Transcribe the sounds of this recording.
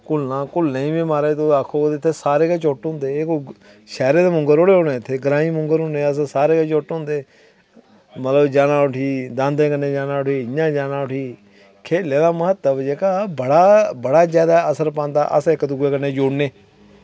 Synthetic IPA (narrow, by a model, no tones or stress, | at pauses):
kʊlnãːkʊlnẽĩːbĩːmaːɾeːt̪oːaːkʰːoːd̪ɪt̪ʰːeːsaːɾeːkeːt͡ʃoːʈɦʊ̃ːnd̪eːk | ʃɛːɾeːd̪eːmʊŋɡəɾoːɽeːɦoːnẽːɪt̪ʰːeːɡɾãːiːmʊŋɡəɾɦʊ̃neːəs̬saːɾeːkeːt͡ʃoːʈɦʊ̃nd̪eː | mət̪ləbd͡ʒaːnãːʊʈʰiːd̪ãːnd̪ẽːkəneːd͡ʒaːnãːʊʈʰiːɪjãːd͡ʒaːnãːʊʈʰiː | kʰeːlẽːd̪aːməɦət̪ːəbd͡ʒeːkaːbəɽaːbəɽaːd͡ʒjaːd̪aːəsəɾpãːnd̪a̰ːʔə̰sɪkd̪ʊɡeːkəneːd͡ʒoːɽneː